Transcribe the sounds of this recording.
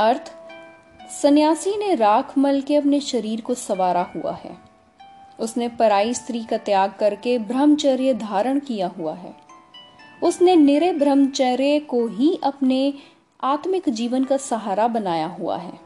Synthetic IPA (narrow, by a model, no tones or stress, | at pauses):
ɐɾt̪ʰ | sɐnjaːsineɾaːkʰməlkeɐp̬neʃɐɾiːɾkosɐʋaːɾahua̰ɦɛ̰ː | ʊsnepɐɾaːist̪ɾiːkat̪jaːɡ̚kɐɾkebɾəmt͡ʃɛːɾjəd̪ʱaːɾəɽ̃kijaɦua̰ɦɛ̰ː | ʊsnenɪɾebɾəmt͡ʃɛːɾekoɦiʔɐpne | aːt̪mɪkd͡ʒiːʋənkasɐɦaːɾabɐnaːjaɦua̰ɦɛ̰ː